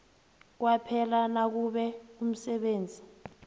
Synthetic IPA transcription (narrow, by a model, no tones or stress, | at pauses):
k̬wapʰɛlanak̬uɓɛum̩sɛɓeːnd͡zʱi